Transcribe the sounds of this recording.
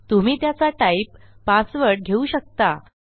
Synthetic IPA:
t̪um̤iːt̪jat͡saʈaipːasʋəɽ̚ɡʱeuɕək̚t̪a

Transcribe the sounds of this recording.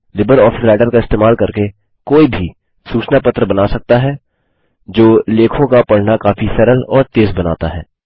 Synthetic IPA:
lɪbəɾɔːfʰɪsɾaːʈəɾkaɪst̪eːmaːlkɐɾke | koːibʱi | suːt͡ʃnapɐt̪ɾəbɐnaːsɐk̚t̪aɦɛː | d͡ʒoːleːkʰõkapɐɽ̤nakaːfisɛɾəlɔːɾt̪eːzbɐna̰ːt̪aɦɛ̰ː

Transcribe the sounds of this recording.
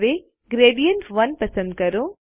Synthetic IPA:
ʋe | ɡɾeːɖijəɳʈʋɐnpɐsə̃nd̪̚kɐɾo

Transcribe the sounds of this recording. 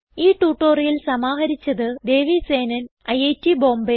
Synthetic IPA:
iːʈuːʈːoːrijilsɐmaːɦɐɾit͡ɕːɐðɨd̪e̞ːʋise̞ːnɐn | ɐjejtːibo̞ːmbe

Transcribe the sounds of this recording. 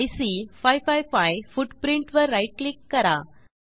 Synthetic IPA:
ɪsifaɪfaɪfaɪfʊɖpɾɪɳʈʋɐɾːɐɪʈ̚klɪkːɐɾaː

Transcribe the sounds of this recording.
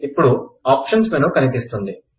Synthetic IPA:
ipːuɽuaːpʂɐnsmenukɐnipist̪und̪i

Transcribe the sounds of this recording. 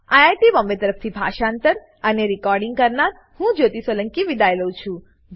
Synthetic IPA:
ajaʈibɔ̃mbet̪əɾəp̚ʰt̪ʰibʱa̰ʃaːnt̪əɾ | əneɾikɔɾɖiŋɡkəɾnaɾ | hũd͡ʒot̪isʋələŋkiʋid̪ajləũt͡ʃʰũ

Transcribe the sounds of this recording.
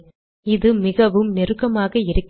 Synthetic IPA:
ɪðɯmɪɣɐʋɯmnɛɾɯɣɐmaːɣɐɪɾɯkː

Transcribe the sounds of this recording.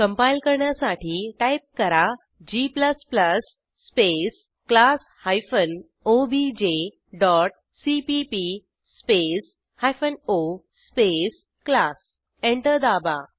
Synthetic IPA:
kəmpajlkəɾɳjasaʈʰiːʈajp̚kəɾa | d͡ʑipləspləsː | pes | klas | hajfən | obid͡ʑe | ɖɔʈ̚ | sipipi | spes | hajfənospes | klas | eɳʈəɾd̪aba

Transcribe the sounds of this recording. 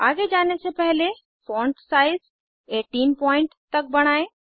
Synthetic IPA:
aːɡed͡ʒaːnesepɛɦle | fɔ̃ːɳʈsaːɪz | eːʈiːnpɔːɪ̃ɳʈt̪ɐk̚bɐɽ̃aːẽː

